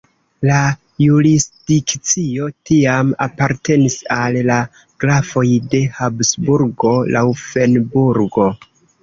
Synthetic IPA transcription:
la | juɾisd̥ikt͡sio̞tiama̰paɾte̞nisalːa | ɡ̥lafo̞jde̞habsbuɾɡo̞lawfe̞nbuɾɡo̞

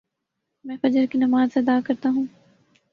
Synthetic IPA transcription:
mɛ̃ːfɐd͡ʒəɾkinɐmaːzseɐd̪aːkɐɾt̪aɦũː

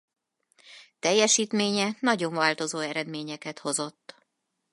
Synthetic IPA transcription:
t̪ɛjːɛʃiːt̪meːɲɛnɒɟo̞ɱvaːlt̪o̞zoːɛɾɛd̪meːɲɛkɛt̪ho̞zo̞t̪ː

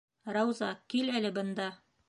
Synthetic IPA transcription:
ɾɑwzɑ̰kilælɘbɤ̆nd̪ɑ

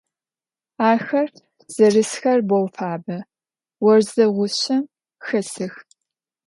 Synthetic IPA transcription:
aːxɐr | z̥ɐrɨsxɐrbowfaːbɐ | wɔrzɐʁʷʊɕɐm | xɐsɨx

